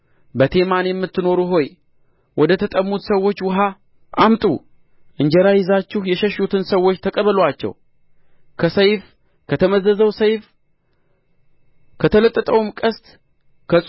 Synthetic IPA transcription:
bət̪ʰe̞manjɛmːɨt̪ːɨno̞ɾuɦo̞j | wʔɔd̪ət̪ʰət̪ʼəmːut̪səwːo̞t͡ʃːwʊɦa | ʔamt̪ʼṵ | ʔɨɲd͡ʒɛɾajɪzat͡ʃːɪhjɛʃɛʃːut̪ʰɨnsəwːot͡ʃːt̪ʰəkʼəβəlwat͡ʃːɛ̰w | kʰəsəjf | kʰət̪ʰəməzəzəwsəjf | kʰət̪ʰələt̪ʼːət̪ʼəwmkʼəst̪ʼ | kʰəsʼ

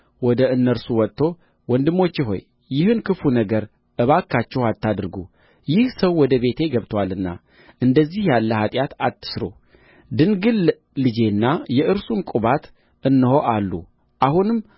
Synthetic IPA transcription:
wɔd̪əɨnːəɾsuwɔt̪ʰːo̞ | wɔnd̪ɨmːo̞t͡ʃːɪɦo̞̰jː | ɪhɨnkʰɨfunəɡəɾ | ʔɨβakʰːat͡ʃːɛhat̪ːad̪ɨɾɨɡṵ | jɪhsəwːɔd̪əβe̞t̪ʰe̞ɡəβt̪ʰwalɨnːa̰ | ʔɨnd̪əzːihjalːəhat̪ʼjat̪at̪ʰːɨ̥sɾo̰ | d̪ɨnɡɨlː | ɨd͡ʒe̞nːajɛʔɨɾsumkʼuβat̪ | ɨnːɨho̞ʔalːṵ | ʔahunɨm

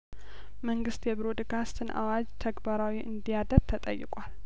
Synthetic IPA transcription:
məŋɡɨst̪jɛbɾod̪kʰast̪ʰɨnʔa̰wad͡ʒt̪ʰəɡbaɾawiʔɨnd̪ijad̪əɾt̪ʰət̪ʼəjːɪ̰kʼwal

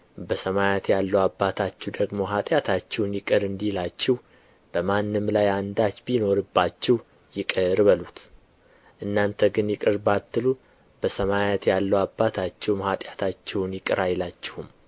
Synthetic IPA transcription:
bəsəmajat̪jalːəwabːat̪ʰat͡ʃːɛwd̪əɡmo̞ɦat̪ʼjat̪ʰat͡ʃːɛwnjɪkʼɨɾɨnd̪ihlat͡ʃːɛh | b̥əmanːɨmlajand̪at͡ʃbino̞ɾɨbːat͡ʃːɛh | jɪkʼɨɾbəlut̪ | ʔɨnːant̪ʰəɡɨnjɪkʼɨɾbat̪ːɨlu | b̥əsəmajat̪jalːəwabːat̪ʰat͡ʃːɛwmhat̪ʼjat̪ʰat͡ʃːɛwnjɪkʼɨɾajlat͡ʃːɪhum

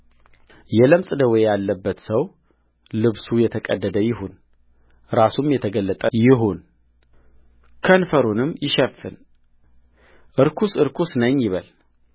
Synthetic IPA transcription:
jɛləmsʼɨd̪əwejalːəbːət̪səw | lɨβsujɛt̪ʰəkʼəd̪ːəd̪əjɪɦun | ɾasumjɛt̪ʰəɡəlːət̪ʼəjɪɦon | kʰənfəɾunɨmjɪʃɛfːɨ̰n | ʔɨɾkʰusɨɾkʰusnəɲjɪβəl

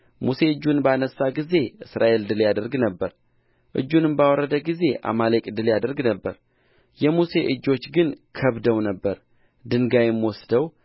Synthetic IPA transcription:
muse̞ɨd͡ʒːunbəanəsːaɡize̞ʔɨsɾa̰ʔe̞ld̪ɨljad̪əɾɡnəbːəɾ | ʔɨ̰d͡ʒːunɨmbawɔrːəd̪əɡize̞ʔa̰malekʼd̪ɨljad̪əɾɡnəbːəɾ | jɛmuse̞ʔɨd͡ʒːo̞t͡ʃːɡɨnkʰəβd̪əwnəbːəɾ | d̪ɨŋɡajɪmwɔsd̪əw

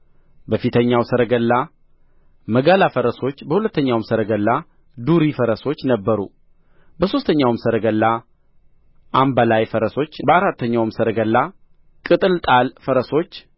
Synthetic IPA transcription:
bəfit̪ʰəɲːawsəɾəɡəlːa | məɡalafəɾəso̞t͡ʃːbəhulət̪ːəɲːawmsəɾəɡəlːa | d̪uɾifəɾəso̞t͡ʃːnəbːəɾṵ | bəso̞st̪ʰəɲːawmsəɾəɡəlːa | ʔambalajfəɾəso̞t͡ʃːbəaɾat̪ʰːəɲːawmsəɾəɡəlːa | kʼɨt̪ʼɨlt̪ʼalfəɾəso̞t͡ʃː

